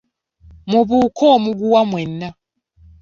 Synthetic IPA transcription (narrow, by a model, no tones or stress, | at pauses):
muβukʰɔmuɡuwamwɛnːa